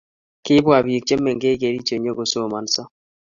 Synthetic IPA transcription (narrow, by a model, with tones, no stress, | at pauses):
kɪ˦bwa˨bi˨k̚t͡ʃe˦mːe˨ŋɡe˦ke˨ɾi˦t͡ʃe˨ɲo˦ɡo˨so˦˨ma˨nsɔ˦